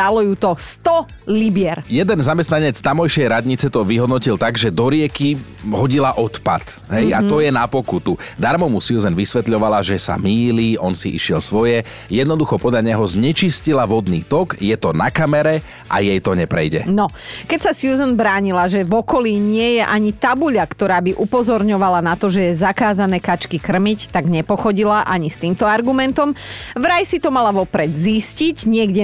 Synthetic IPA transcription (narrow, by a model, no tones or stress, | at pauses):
t̪alɔjuːt̪ɔst̪ɔ | libɪɛɾjɛd̪ɛnzamɛst̪naɲɛt͡st̪amɔjʃɪɛjɾad̪ɲit͡sɛt̪ɔʋiɦɔd̪nɔcilt̪aɡʒɛd̪ɔɾɪɛki | ɦɔɟilaʔɔt̪pat̪ɦɛjat̪ɔjɛnapɔkut̪ud̪aɾmɔmusjuzɛnʋisʋɛt̪ʎɔʋalaʒɛsa̰miːliːɔnsiʔḭʃɪɛlsʋɔjɛ | jɛd̪nɔd̪uxɔpɔd̪ʎaɲɛɦɔzɲɛt͡ʃiscilaʋɔd̪niːt̪ɔɡjɛt̪ɔnakamɛɾɛ | ʔa̰jɛjt̪ɔɲɛpɾɛ̰jɟɛ̰nɔkɛcsasjuːzənbɾaːɲilaʒɛvɔkɔliːɲɪɛjɛʔaɲit̪abuʎakt̪ɔɾaːbiʔupɔzɔɾɲɔʋalanat̪ɔʒɛjɛzakaːzanɛːkat͡ʃkikr̩mict̪aɡɲɛpɔxɔɟilaʔaɲist̪iːmt̪ɔaɾɡumɛnt̪ɔmʋɾajsit̪ɔmalaʋɔpɾɛd̪zisciɟɲɪɛɡɟɛ